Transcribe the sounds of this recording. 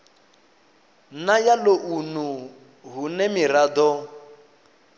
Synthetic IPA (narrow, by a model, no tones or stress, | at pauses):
najaloʔunu | ɦunɛmiɾad̪ɔ